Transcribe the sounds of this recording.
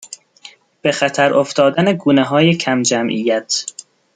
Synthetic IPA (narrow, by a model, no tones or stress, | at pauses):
b̥e̞xæt̪ʰæɾʔoft̪ɒːd̪æneɡuːneɦɒːje̞cʰæmd͡ʒæmʔiːjæt̪ʰ